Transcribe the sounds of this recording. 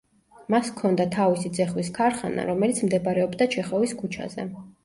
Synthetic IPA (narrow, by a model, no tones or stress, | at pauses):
maskʰɔnd̪at̪ʰavisid̪zɛχwiskʰaɾχa̰na̰ɾɔmɛlit̪sʰmd̪ɛbaɾɛɔbd̪at͡ʃʰɛχɔviskʰut͡ʃʰa̰zɛ̰